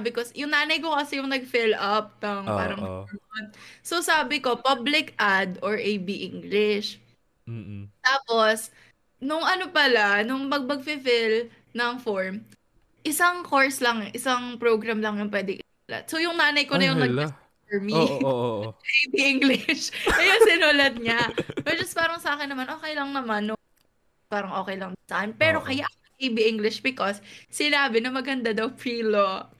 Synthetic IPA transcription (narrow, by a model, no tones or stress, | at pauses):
abɪkosjʊŋnaːnɐjko̞kɐsɛjʊŋnɐɡ̚fɪlʔɐp̚nɐŋppaːɾɐŋɐonsosaːbɪko̞pablɪkʔad̪ʔoɹʔejbiʔiŋɡlɪʃ | t̪aːpo̞s | nʊŋʔɐnopɐlanʊŋmɐɡ̚mɐɡ̚fifɪl | nɐŋfoɹm | ʔɪsaŋkoɹslɐŋʔɪsɐŋpɾoɡɾɐmlɐŋjʊŋpwɛːd̪ɪŋʔɪnuːlɐ̰t̪̚sojʊŋnaːnɐjkonɐjoŋnɐɡdɛ | ɛɹmi | ʔbɪʔiŋɡlɪʃkɐjosɪnuːlɐt̪̚ɲapɛd͡ʒɐspaːɾɐŋsɐʔaːkɪnːɐmanʔoːkɛjlɐŋnɐmanːʊŋ | paːɾɐŋʔo̞ːkɛjlɐŋd̪ɐŋsaːkɛnpɛːɾo̞kɐjaʔɐkɐŋʔebɪʔɪŋɡlɪʃbɪkosːɪnaːbɪnɐmɐɡɐnd̪ad̪ɐwpɾiːlo